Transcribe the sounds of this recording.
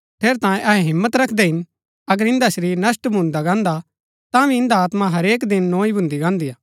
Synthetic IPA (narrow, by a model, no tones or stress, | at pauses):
t̪ʰeːɾt̪ãːjẽʔɐɦɛɦɪ̃mːət̪ɾɐkʰd̪ɛɦɪn | ɐɡəɾɪ̃nd̪ɐsɾinɐsʈbʱʊ̃nd̪aɡãːnd̪a | t̪ãʋiɪ̃nd̪aaːt̪mãɦɐɾeːk̬d̪ɪnːõːibʱʊ̃nd̪iɡãːnd̪ijaː